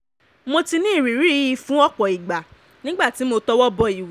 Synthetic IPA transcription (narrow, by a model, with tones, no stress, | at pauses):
mo˧ti˧nĩ˦˨ɾi˨ɾi˨˦i˧fũ˨˦ɔ˦k͡pɔ˨i˨ɡ͡ba˨ | nĩ˦ɡ͡ba˦˨ti˨˦mo˧tɔ˦wɔ˦bɔ˧i˨w